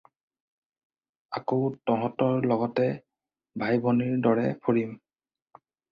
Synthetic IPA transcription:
akotɔɦɔ̃tɔɹlɔɡɔtɛ | bʱajbʱoniɹdɔɹɛpʰoɹim

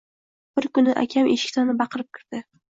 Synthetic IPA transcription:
b̥ɪɾkʊnɪʔa̰kʲʰameʃɪ̥kʲt̪ʰanɪbɑqʰɨɾɪp̚kʲʰɪɾd̪̥ɪ

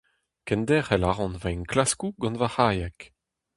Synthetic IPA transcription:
kɛnd̪ɛʁɛlaʁɑ̃nvanklaskuɡɑ̃nvahaːjɛk

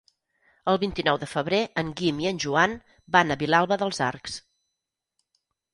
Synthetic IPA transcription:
əlˠβint̪inɔwðəfəβɾeʔəŋɡimiənʲʒuan | banəβilalˠβəðəlˠzaɾks

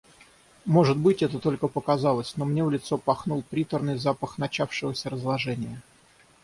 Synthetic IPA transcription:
mo̞ʐɨt̪̚bɨtʲɛt̪ət̪o̞lʲkəpəkɐzɑlˠəsʲno̞mnʲe̞vlʲɪt̪so̞pɐxnulˠpɾʲit̪ərnɨjzapəxnɐt͡ɕafʂɨvəsʲəɾəzlˠɐʐɛnʲɪjə

